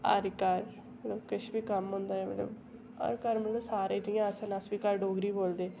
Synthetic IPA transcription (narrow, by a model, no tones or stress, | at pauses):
ə̰ɾkaɾ | mət̪ləbkɪʃbiːkəmɦʊ̃nd̪aːeːmə̰t̪lə̰b | ə̰ɾkəɾməlloːsaːɾeːʈɪjãːəsənəsbiːkəɾɖoːɡɾiːboːld̪eː